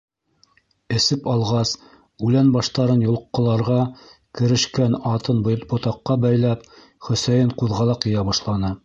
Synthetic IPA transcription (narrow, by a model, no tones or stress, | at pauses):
ɘ̆sɘpɑlˠʁɑs | ʉlænbɑʃt̪ɑɾɤnjŏl̆ˠqːŏlˠɑɾʁɑkɘ̆ɾɘ̆ʃkænɑt̪ɤnbbŏt̪ɑqːɑbæjlæp | χɵ̆sæjɘɴquðʁɑlˠɑqjɤ̆jɑbɑʃlˠɑnɤ